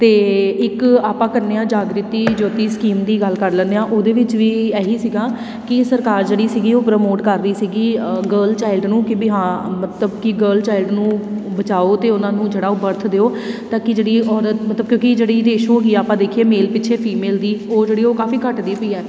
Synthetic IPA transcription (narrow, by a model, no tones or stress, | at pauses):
t̪eːɪkaːpãːkəɾneːãːd͡ʒaːɡɾɪt̪iːd͡ʒoːt̪iːskiːmd̪iːɡəlkəɾlɛ̃ːnd̪eãːʔoːd̪eːʋɪt͡ʃʋiːɛːɦiːsiːɡaː | kɪsəɾkaːɾd͡ʒeːɽiːsiːɡiːoːpɾəmoːʈkəɾːiːsiːɡiːɡəːlt͡ʃaːɪlɖnũːkɪbiɦãːmət̪ləbkɪɡəːlt͡ʃaːɪlɖnũːbət͡ʃaːoːt̪eːʊnãːnũːd͡ʒeːɽaːoːbəɾt̪ʰd̪eːoːt̪aːkɪd͡ʒeːɽiːɔːɾət̪mət̪ləb̚kjõːkid͡ʒeːɽiːɾeːɪʃoːɡiːaːpãːd̪eːkʰieːmeːlpɪʃʰeːpʰiːmeːld̪iːoːd͡ʒeːɽiːoːkaːfiːkəʈd̪iːpəiːɛː